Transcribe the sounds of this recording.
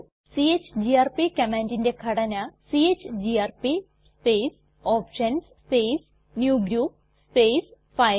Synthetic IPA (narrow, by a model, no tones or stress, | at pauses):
siet͡ɕd͡ʑiaːrpikɐmeːndindekʰɐɽɐnɐsieːt͡ɕːd͡ʑiaːɾpi | speːs | oːpʂɐns | peːs | njuːɡɾuːp̚ | speːs | pɐj